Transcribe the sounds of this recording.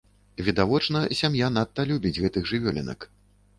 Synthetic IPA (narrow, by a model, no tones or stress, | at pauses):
vʲid̪avɔt͡ʂnɐsʲamjanat̪ːɐlʲubʲid͡zʲɣɛt̪ɨɣʐɨvʲɔlʲɛ̰nɐ̰k